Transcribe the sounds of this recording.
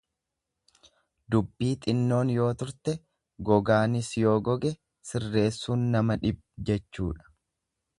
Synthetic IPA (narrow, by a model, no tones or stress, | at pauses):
d̪ʊbːiːt̪ʼɪnːo̞ːnjo̞ːt̪ʊɾt̪ɛ | ɡɔɡaːnɪsjo̞ːɡɔɡɛ | sɪrːe̞ːsːuːnːɐmɐᶑɪb̚d͡ʒɛt͡ʃːuːᶑɐ̥